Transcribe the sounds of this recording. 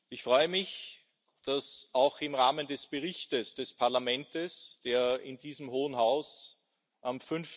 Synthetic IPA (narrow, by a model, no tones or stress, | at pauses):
ʔɪçfʁ̥ɔʏəmɪç | d̥asʔaʊxɪmʁaːməndɛsb̥əʁɪçtəsd̥ɛspʰaɐlamɛntəsd̥eːɐɪndiːzəmɦoːənɦaʊs | ʔamfʏnf